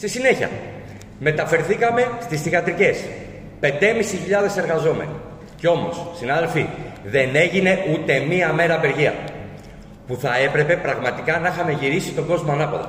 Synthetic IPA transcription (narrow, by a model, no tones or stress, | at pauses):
st̪isine̞çiɐ̰ | me̞t̪ɐfe̞ɾθikɐme̞st̪isθiɣɐt̪ɾice̞s | pe̞nd̪e̞misiçiʎɐðe̞se̞ɾɣɐzo̞mḛnḭ | ceo̞mo̞ssinɐðe̞lfiðe̞ne̞ʝine̞ʔut̪e̞miɐme̞ɾɐpe̞ɾʝiɐ̰ | puθɐe̞pɾe̞pe̞pɾɐɣmɐt̪ikɐnɐixɐme̞ʝiɾisit̪o̞ɡo̞zmoɐnɐpoðo̰